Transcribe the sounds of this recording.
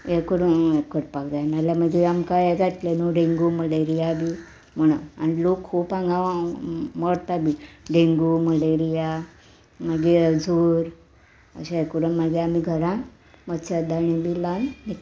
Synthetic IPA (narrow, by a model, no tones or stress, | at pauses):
ekuɽuekːəɾpakd͡zanaljaməɡeamkaeɡat̪lenoɖeŋɡuməleɾijabʱi | m̤əɽ̃ua̰nilokkʰuːpãŋɡaʋməɽt̪abʱiɖeŋɡuməleɾija | məɡed͡zʱuːɾ | ə̰ɕaekuɾunmaɡeamiɡʱəɾã | mət̪t͡ɕad̪aɳ̃ĩbilanni